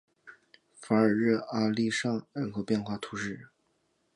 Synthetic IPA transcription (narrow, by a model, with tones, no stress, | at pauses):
fa˧˥ə˞˨˩ɻ̩˥˩a˥li˥˧ʂɑ˥˩ŋə˥˩nxo˧˥pjɛ˥˧nxwa˥˩t̪ʰu˧˥ʂɻ̩˥˩˧